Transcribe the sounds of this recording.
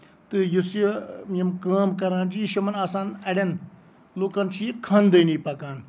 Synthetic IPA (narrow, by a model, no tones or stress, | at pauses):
t̪ɨjusmɐmkaːmkɐɾãːnd͡ʒiʃɐmɐnaːsaːnɐɽʲɐn | loːkɐnt͡ʃʰijekʰaːnd̪ɐːniːpɐkaːn